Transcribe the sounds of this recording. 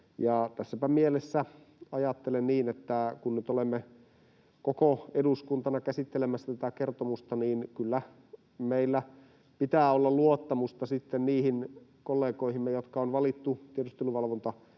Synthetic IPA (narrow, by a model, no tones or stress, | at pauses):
jɑt̪æsːæpæmielesːæ | ɑjɑt̪ːelenniːnet̪ːækunnyt̪olemːe | kokoeduskunt̪ɑnɑkæsit̪ːelemæsːæt̪æt̪ækert̪omust̪ɑniːnkylːæ | meilːæ | pit̪æːolːɑlluot̪ːɑmust̪ɑsit̪ːenniːhinkolːeːkoihimːejot̪kɑonʋɑlit̪ːut̪iedyst̪eluʋɑlʋont̪ɑ